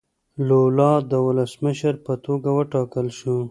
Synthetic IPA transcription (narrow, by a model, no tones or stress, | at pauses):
lolɑd̪əwʊləsməʃəɾpət̪oɡawəʈɑkəlʃu